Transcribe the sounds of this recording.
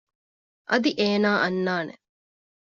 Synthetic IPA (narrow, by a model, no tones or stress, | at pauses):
ʔɐd̪iʔeːnaːʔɐnːaːnḛ